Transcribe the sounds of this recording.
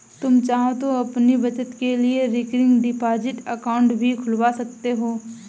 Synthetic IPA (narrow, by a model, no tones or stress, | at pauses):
t̪ʊmt͡ʃaːɦõt̪oɐpnibɐt͡ʃət̪kelieɾɪkɾɪ̃ŋɡɖɪpaːd͡ʒɪʈəkaːʊ̃ɳʈbʱikʰʊlʋasɐk̚t̪eɦoː